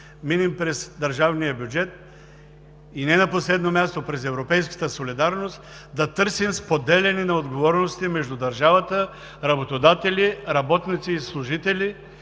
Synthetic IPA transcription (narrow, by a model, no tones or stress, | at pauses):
minimpɾɛsd̪ɐɾʒavnijəbʲjud͡ʒɛt̪̚ | inɛnɐposlɛd̪nomʲjast̪opɾɛzɛvɾopɛjskə̥t̪əsolid̪aɾnost̪ | d̪ɐt̪ɤɾsimspod̪ɛlɛninɐod̪ɡovɔɾnost̪imɛʒd̪ud̪ɐɾʒavət̪ə | ɾɐbot̪od̪at̪ɛlʲiɾɐbɔt̪nit̪siːslˠuʒit̪ɛlʲi